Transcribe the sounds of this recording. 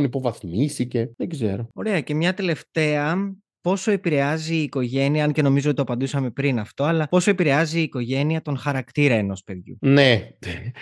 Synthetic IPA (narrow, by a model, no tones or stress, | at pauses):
nipo̞vɐθmisice̞ðeɡze̞̰ɾo̞o̞ɾe̞ɐce̞mɲɐt̪e̞le̞ft̪e̞ɐ | po̞so̞e̞piɾe̞ɐziːko̞ʝe̞niɐɐnce̞no̞mizoot̪it̪oɐpɐnd̪usɐme̞pɾinɐft̪o̞ɐlɐo̞soe̞piɾe̞ɐziːko̞ʝe̞niɐt̪o̞nxɐɾɐkt̪iɾɐeno̞spe̞ðʝṵnene